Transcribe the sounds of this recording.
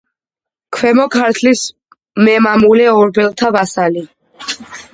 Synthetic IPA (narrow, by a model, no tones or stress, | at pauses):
kʰwɛmɔkʰaɾt̪ʰlis | mɛmamulɛɔɾbɛlˠt̪ʰavasali